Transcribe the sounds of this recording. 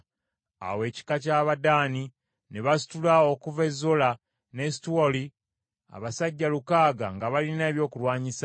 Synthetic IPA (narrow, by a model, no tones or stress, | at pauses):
a̰we̞ːci̥kacaːβadaːni | neβasi̥tulaokuve̞zːola | ne̞situwoli | a̰βasaɟːalukaːɡa̰ŋɡaβalineːβjo̞ːkulwaːɲisa